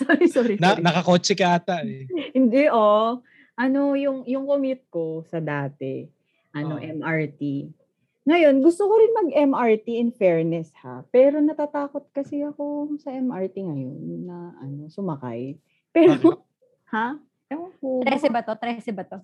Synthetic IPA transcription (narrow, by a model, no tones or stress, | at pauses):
soɾisoɾinɐnɐkɐkot͡ʃɛkaːt̪ɐʔɛhɪnd̪ɛʔo | ʔɐno̞jʊŋjʊŋkomɪt̪̚ko̞sɐd̪aːt̪ɛ̰ | ʔɐno̞ʔɛmʔaɹt̪i | ŋɐjo̞nɡʊst̪okoɾɪnmɐɡʔɛmʔaɹt̪iɪnfɛɹnɛsha̰pɛːɾo̞nɐt̪at̪aːko̞t̪̚kɐsɛɐko̞sɐʔɛmʔaɹt̪iŋɐjo̞̰nːɐʔɐ̰no̞sʊmɐka̰j | pɛːɾo | ha | ɛooɾɛsɛbɐt̪ot̪ɾɛsɛbɐt̪o